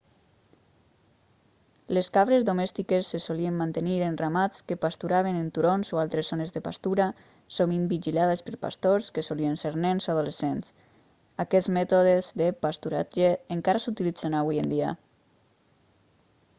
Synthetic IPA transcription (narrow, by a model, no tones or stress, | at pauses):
leskaβɾezðomɛst̪ikesːesoliemmːant̪eniɾenramat͡skepast̪uɾaβ̞enent̪uɾonzoalˠt̪ɾezonezðepa̰st̪uɾa | soβimbiʒilaðespəɾpa̰st̪oɾskesolienseɾnɛnzoað̞ulesens | akɛzmɛt̪oðezðepast̪uɾa̰d͡ʒeːŋkaɾasut̪ilid͡z̥enaβujend̪ia̰